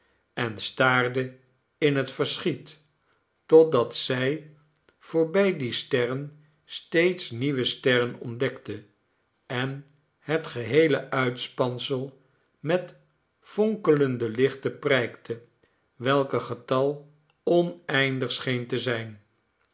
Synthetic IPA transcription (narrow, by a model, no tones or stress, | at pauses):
ɛnstaːɹdə | ɪnɦətfəɹsχitː | ɔt̚dɑtsɛj | v̥ʊːɹbɛjdistɛrən | stejtsniʋəstɛrənɔ̰ndɛktə | ɛn | ɦətχəɦejləʔœɥtspɑnsəlˠ | mɛt | fɔŋkələndəlɪχtəprɛjktʰə | ʋɛlˠkəχətɑlˠ | ɔnɛjndəχsχejntəzɛjn